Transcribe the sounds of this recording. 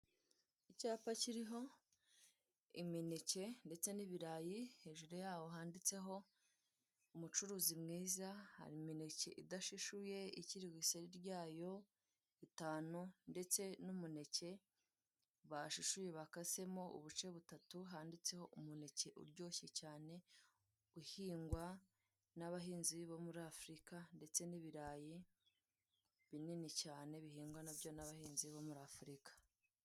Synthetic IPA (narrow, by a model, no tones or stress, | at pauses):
icaːpaciɾiɦo̞ | ḭminece̞nde̞t͡se̞niβiɾaːjihe̞ʒuɾejaːwo̞ɦaːndit͡se̞ɦo̞ | umut͡ʃuɾuːzimŋiːzaha̰ɾimine̞ce̞̰ʔidaʃiʃuje̞iciɾiɡwiseɾiɾɟaːjo̞ | itaːnunde̞t͡se̞numune̞ce̞ | βaʃuʃuje̞βakase̞mo̞ʔṵβut͡ʃe̞βutatuɦaːndit͡se̞ho̞ʔumune̞ce̞ʔṵɾɟo̞ːçecaːne̞ | uhiːŋɡwa | naβaɦiːnziβomuɾaːfɾikande̞t͡se̞niβiɾaːji | βininicaːne̞βihiːŋɡwanabjo̞naβahiːnziβomuɾaːfuɾikḁ